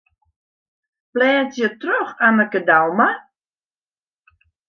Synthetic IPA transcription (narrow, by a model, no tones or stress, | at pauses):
plɛːtjətroxanəkədawma